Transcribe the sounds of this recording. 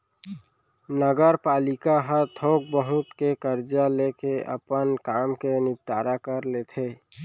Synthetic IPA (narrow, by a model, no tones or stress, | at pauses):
nəɡəɾpaːlɪkaɦət̪ʰoːk̚bəɦʊt̪kekəɾd͡ʒalekeə̰pənkaːmkenɪp̚ʈaːɾakəɾlet̪ʰeː